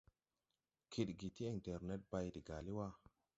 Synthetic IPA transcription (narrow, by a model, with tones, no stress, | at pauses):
kʰi˨tɡi˨ti˦i˨nte˨ɾne˦t̚ba˧jdi˨ɡa˨li˦wa˦